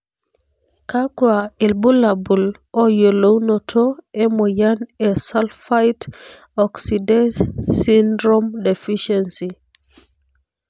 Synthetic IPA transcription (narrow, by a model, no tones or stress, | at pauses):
kakwailbulabul | ɔjolownɔtʰɔɛmojanɛsalfajt | ɔksidɛssindɾomdefiʃɛnsi